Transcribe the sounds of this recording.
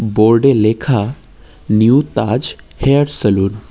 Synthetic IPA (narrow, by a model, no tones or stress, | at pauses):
boɾɖelekʰa | njut̪ad͡ʒ | heəɾsəlun